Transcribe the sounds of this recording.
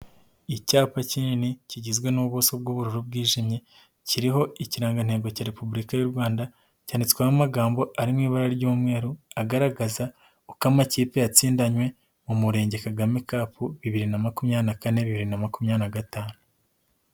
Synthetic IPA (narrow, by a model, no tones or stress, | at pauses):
icaːpacininiciɟizɡwe̞nuβusob̚ɡuːβuɾuɾub̚ɡiːʒimɲe̞ | ciɾiɦo̞iciɾaːŋɡan̥he̞ːɡo̞caːɾe̞pubuɾikajuɾɡwaːnda | caːnit͡swaβamaɡaːmbo̞aɾimŋiːβaɾaɾɟuːmŋe̞ːɾuaɡaɾaɡaza | ukamaciːpejat͡siːndaɲwe̞ | mumuɾe̞ːɲɟe̞kaɡamekaːpuβiβiɾinamakumɲaːnakane̞βiβiɾinamakumɲanaɡataːnu